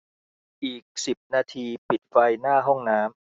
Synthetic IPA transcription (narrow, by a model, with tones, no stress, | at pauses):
ʔiː˨˩k̚si˨˩p̚naː˧t̪ʰiː˧pi˨˩t̪̚fa˧jnaː˥˩ɦɔ˥˩ŋnaː˦˥m